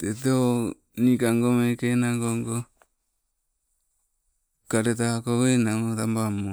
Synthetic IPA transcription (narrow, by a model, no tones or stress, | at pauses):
teteo | nikaŋɡomekenaŋɡoŋɡo | kaɾet̬aakowenaŋotambamo